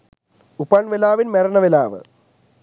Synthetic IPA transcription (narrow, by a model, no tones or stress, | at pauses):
upɐɳʋelaːʋinmeɾɐɳɐʋelaːʋɨ̰